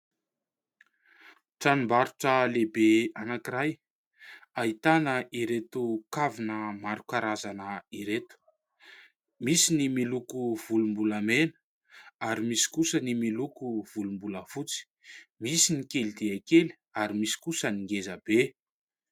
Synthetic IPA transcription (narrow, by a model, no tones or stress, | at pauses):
ʈ͡ʂanimbaɾuʈ͡ʂəlebeanakiɾaj | ait̪anəʔiɾet̪ukavinəmaɾukaɾazanəiɾet̪u̥ | misinimilukuv̥ulumbuləmenə̥ | aɾimisi̥kusənimilukuv̥ulumbuləfut͡si̥ | misinikelid̪eakeli̥ | aɾimisi̥kusəniŋɡezab̥e